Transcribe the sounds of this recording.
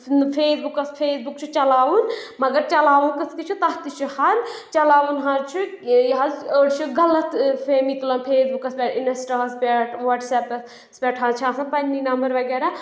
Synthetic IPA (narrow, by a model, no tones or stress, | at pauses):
pʰeːsbukɐspʰeːsbukt͡ʃʰut͡ʃɐlaːʋunmɐɡɐɾt͡ʃɐlaːʋunkɐsʰk̪it͡ʃʰut̪ɐɦt̪it͡ʃʰuhɐɾt͡ʃɐlaːʋunɦãːt͡ʃʰujɦɐzəɽt͡ʃʰuɡɐlɐt̪pʰeːmiklɐnpʰeːsbukɐspʲeʈinɐsʈɐɦɐspʲeʈʋaːʈsɛːpɐ | spʲeːʈʰãːt͡ʃʰãːsɐnpɐnːinɐmbɐɾʋɐɡɛːɾa